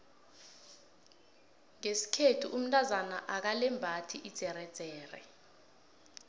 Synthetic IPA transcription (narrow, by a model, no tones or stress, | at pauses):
ŋesi̥kʰetʰuʔum̩tʼʰazanaʔak̬alɛmbʱatʰiʔid̥z̥ʱɛɾɛd̥z̥ʱɛːrɛ̰